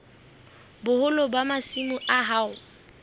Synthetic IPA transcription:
bʊhʊlɔbamasimʊʔaɦaʊ

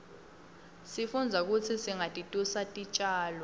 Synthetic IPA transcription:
sifund͡zʱak̬ut͡sʰisiŋatʼitʼusatʼit͡ʃʼaːlɔ

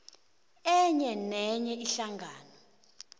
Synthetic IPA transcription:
ɛɲɛnɛɲɛʔiɬaŋɡʱaːnɔ

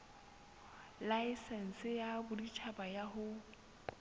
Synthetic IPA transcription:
laɪsɛn̩sɪjabʊdit͡ʃʰabajaɦʊ

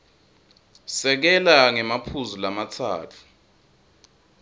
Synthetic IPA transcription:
sɛk̬ɛlaŋɛmapʰuzulamatʰa̰ːtʰu̥

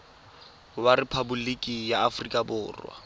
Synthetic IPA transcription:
waɾɪpʰabʊlikʼijaːfrikʼabʊːrwa̰

